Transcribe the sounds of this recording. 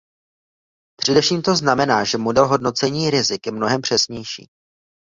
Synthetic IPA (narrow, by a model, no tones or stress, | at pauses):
pr̝̥ɛdɛfʃiːmt̪o̞znamɛnaːʒɛmodɛlɦo̞dno̞t͡sɛɲiːɾɪzɪkjɛmno̞ɦɛmpr̥ɛsɲɛjʃḭː